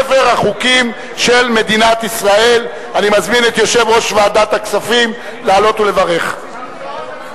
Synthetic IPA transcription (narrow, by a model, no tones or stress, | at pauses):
feʁhaχukim | ʃe̞lme̞d̪inat̪isʁae̞l | animazminet̪jo̞ʃe̞vʁo̞ʃvead̪at̪aksafim | laːlo̞t̪ule̞vaʁe̞χ